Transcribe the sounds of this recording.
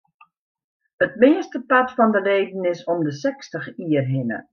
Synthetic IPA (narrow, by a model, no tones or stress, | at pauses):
ətmɪəstəpatfɔndəleːdn̩ɪsɔmdəsɛkstəxiːərɦɪnə̰